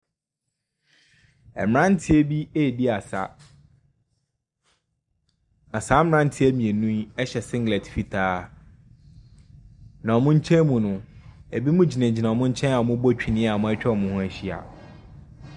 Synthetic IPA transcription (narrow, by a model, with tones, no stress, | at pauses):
ɛ̰˨m˨ɾã˦n˦tʰɪ˦e˦bi˦e˦˨di˦a˨sa̰˨ | na˨sa˨˦m˦ɾã˦n˦tʰɪ˦æ˦mĩ˨e˨nũ˦ɛ˦ɕɛ˨sɪ̃˦ŋɡlɛ˨tfi˨tʰaː˦ | nã˨ɔ˨mʊ̃˦ɲ̩˦t͡ɕʰɛ̃˦mũ˨nʊ̃˦æ˨bi˦mũ˦d͡ʑi˨næ̃˨d͡ʑi˨nã˨ɔ˨mʊ̃˦ɲ̩˦t͡ɕʰɛ̃˦a˨ɔ˨mʊ̃˦bɔ˦˨t͡ɕᶣʰi˨nɪ̃˦a˨mʊ̃˦ɛ˦t͡ɕᶣɛ˦ɔ˨mʊ̃˨hʊ̃˦æ˨ɕi˦a̰˨